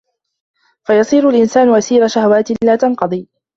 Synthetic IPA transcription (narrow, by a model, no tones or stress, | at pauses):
fajɑsˤiːɾalʔɪnsaːnʊʔasiːɾaʃahawaːt̪ɪlaːt̪anqɑd̪ˤiː